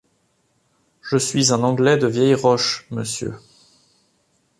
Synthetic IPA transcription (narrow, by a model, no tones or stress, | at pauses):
ʒəsɥizɛ̃nɑ̃ɡlɛd̪əvjɛjʁɔʃməsjø̰